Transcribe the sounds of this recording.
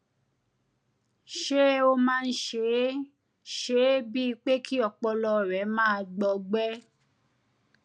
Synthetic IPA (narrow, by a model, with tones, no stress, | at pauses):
ʃe˦o˧mãː˦˧n̩˦ʃe˨˦ | ʃe˨˦bi˦i˧k͡pe˦kʰi˦ɔ˨k͡pɔ˧lɔ˧˨ɾɛ˨˦mãː˦˧ɡ͡bɔ˧ɡ͡bɛ˦